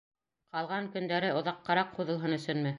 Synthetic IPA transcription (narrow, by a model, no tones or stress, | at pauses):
qɑlˠʁɑŋkɵ̆nd̪æɾɘʔŏðɑqːɑɾɑqʰːuðɤ̆lˠɦɤnɵ̆sɵnmɘ